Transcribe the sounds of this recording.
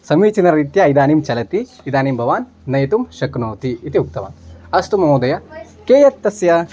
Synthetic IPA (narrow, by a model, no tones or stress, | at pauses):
sɐmiːt͡ʃinɐɾɾit̪jaid̪aːnimt͡ʃɐlɐt̪iːd̪aːnimbʱɐʋaːnːɐjɐt̪umʃɐknoːt̪iːt̪iuk̚t̪ɐʋa̰ːnɐst̪umɐmoːd̪ɐjɐ | keːjɐt̪ːɐsjɐ